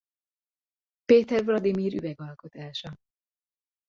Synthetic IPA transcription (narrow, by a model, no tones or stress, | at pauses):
peːt̪ɛrvlɒd̪imiːɾy̰vɛɡɒlko̞t̪aːʃɒ